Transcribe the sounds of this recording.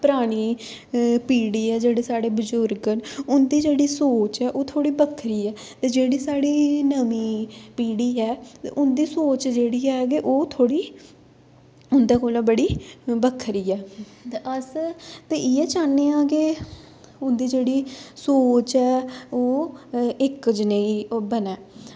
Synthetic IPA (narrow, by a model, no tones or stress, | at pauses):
pəɾaːɽ̃iː | piːɽiːɛːd͡ʒeːɽeːsaːɽeːbəzʊɾɡənʊnd̪iːd͡ʒeːɽiːsoːt͡ʃɛːʔoːt̪ʰoːɽiːbəkʰɾiːɛː | t̪eːd͡ʒeːɽiːsaːɽiːnəmiːpiːɽiːɛːt̪ḛʔʊnd̪iːsoːt͡ʃd͡ʒeːɽiːɛːɡeʔoːt̪ʰoːɽiː | ʊnd̪aːkoːlãːbəɽiːbəkʰːɾiːɛː | eʔəst̪eːʔiɛːt͡ʃaːnːeːaːke | ʊnd̪iːd͡ʒeːɽiːsoːt͡ʃɛːoː | ɪkd͡ʒəneːiːbənɛː